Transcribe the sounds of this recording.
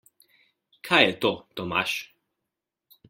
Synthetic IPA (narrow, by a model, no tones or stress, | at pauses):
kʰajɛt̪ot̪ɔma̰ʃ